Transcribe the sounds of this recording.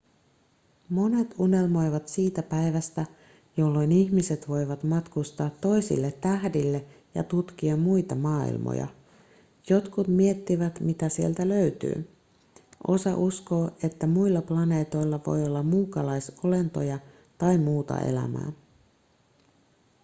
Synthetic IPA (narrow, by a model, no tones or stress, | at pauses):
mo̞ne̞t̪une̞lmo̞jʋɑt̪siːt̪æpæjʋæst̪æ | jo̞lːo̞jniçmise̞t̪ʋo̞jʋɑt̪mɑt̪kust̪ɑːt̪ːo̞jsḭlːe̞t̪ːæhdilːe̞ | jɑ̰t̪ut̪k̟iɑmujt̪ɑmɑːḭlmo̰jɑ̰ | jo̞t̪kut̪mie̞t̪ːiʋæt̪mit̪æsielt̪ælø̞yt̪y̰ː | ʔo̞̰sɑ̰ʔusko̞ːe̞t̪ːæmujlːɑplɑne̞ːt̪o̞jlːɑʋo̞̰jo̞lːɑmmuːkɑlɑjso̞le̞nt̪o̞jɑ | t̪ɑjmuːt̪ɑ̰e̞̰læ̰mæ̰ː